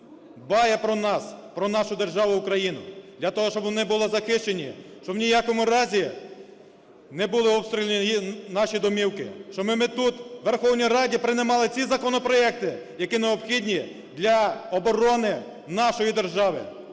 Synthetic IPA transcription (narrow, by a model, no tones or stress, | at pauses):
bɑjɛpɾɔnɑspɾɔnɑʃʊd̪e̞rʒɑʋʊʊkɾɐjinʊd̪lʲɐt̪ɔɦɔʃt͡ʃɔbnɛbʊlˠɔzɐxɪʃt͡ʃenʲiʃt͡ʃɔwnʲijɑkɔmʊɾɑzʲi | nɛbulˠɪɔpst̪ɾʲilʲenʲijinɑʃʲid̪ɔmʲiwkɪʃt͡ʃɔmɪmɪt̪ut̪ʋerxɔwnʲijrɑdʲipɾɪnɪmɑlˠɪt͡sʲizɐkɔnɔpɾɔɛk̚t̪ɪjɐkineɔpxʲidʲnʲi | d̪lʲɐɔbɔɾɔnɪ | nɑʃɔjid̪erʒɑʋɪ̰